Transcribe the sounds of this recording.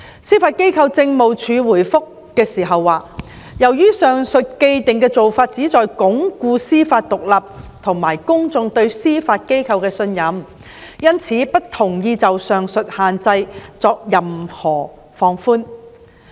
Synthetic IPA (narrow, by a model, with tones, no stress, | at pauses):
siː˥faː˧t̚ke˥jkʰɐ˧wt͡sɪ˧ŋmo˨wt͡ʃʰyː˨˧wuː˨˩jfʊ˥kːɛː˧siː˨˩ɦɐ˨wːaː˨ | jɐ˨˩wjyː˥sœː˨ŋsɵ˨t̚ke˧jt̪ɪ˨ŋkɛː˧t͡so˨wfaː˧t̚t͡siː˨˥t͡sɔː˨jkʊ˨˥ŋkuː˧siː˥faː˧t̚t̪ʊ˨k̚lɐ˨p̚t̪ʰʊ˨˩ŋmaː˨˩jkʊ˥ŋt͡sʊ˧ŋt̪ɵ˧ɥsiː˥faː˧t̚ke˥jkʰɐ˧wkɛː˧sɵ˧njɐ˨˥m | jɐ˥nt͡sʰiː˨˥pɐ˥t̚t̪ʰʊ˨˩ŋjiː˧t͡sɐ˨wsœː˨˩ŋsɵ˨t̚haː˨nt͡sɐ˧jt͡sɔː˧k̚jɐ˨mhɔː˨˩ | fɔː˧ŋfuː˥n